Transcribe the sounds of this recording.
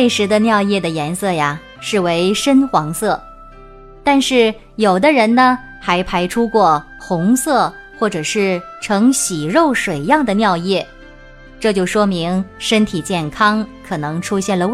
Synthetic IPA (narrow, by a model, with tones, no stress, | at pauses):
we˥˩ɪʂɻ̩˧˥d̪ə˧njɑ˥˧ʊjɛ˥˩d̪ə˩jɛ˧˥nsɤ˥˩ja˩ | ʂɻ̩˥˩we˧˥ɪʂə˥nxwɑ˧˥ŋsɤ˥˩ | t̪a˥˧nʂɻ̩˥˩ | jo˨˩ʊd̪ə˦ɻə˧˥nnə˧ | xa˧˥ɪpʰa˧˥ɪʈ͡ʂʰu˥kwɔ˥˩ | xʊ˧˥ŋsɤ˥˧˩ | xwɔ˥˩ʈ͡ʂɤ˨˩ʂɻ̩˥˩ | ʈ͡ʂʰɤ˧˥ŋɕi˨˩ɻo˥˩ʊʂwe˨˩ɪjɑ˥˩ŋd̪ə˩njɑ˥˧ʊjɛ˥˩ | ʈ͡ʂɤ˥˧t͡ɕjo˥˩ʊʂwɔ˥mi˧˥ŋʂə˥nt̪ʰi˨˩t͡ɕjɛ˥˩nkʰɑ˥ŋkʰɤ˨˩nɤ˧˥ŋʈ͡ʂʰu˥ɕjɛ˥˩nlə˩